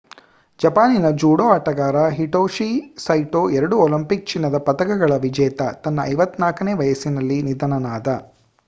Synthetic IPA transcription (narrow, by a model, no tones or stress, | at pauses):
d͡ʒɐpaːninɐd͡ʒuːɽoːaːʈɐɡaːɾɐɦiʈoːʂisɐjʈoːɛɾɐɽuoːlimpik̚t͡ʃinːɐd̪ɐpɐt̪ɐɡɐɡɐɭɐʋid͡ʒɛːt̪ɐ̰t̪ɐnːɐɐ̰jʋɐt̪ːnaːkɐneːʋɐjɐsinɐlːinid̪ʱɐnɐnaːd̪ɐ